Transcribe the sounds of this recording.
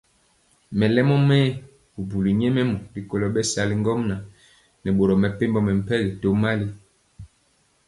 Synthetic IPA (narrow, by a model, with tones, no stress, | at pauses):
mɛ˨lɛ˦mɔ˦mɛː˦ | u˨bu˨li˨ɲɛ˦mɛ˦mu˨bi˨ko˨lɔ˨ɓɛ˦sa˨li˦ŋ˦ɡɔ˦mna˨ | nɛ˨ɓo˨ɾɔ˨mɛ˨pe˦mbɔ˦mɛ˨m̩˨pɛ˦ɣi˨to˦ma˦li˦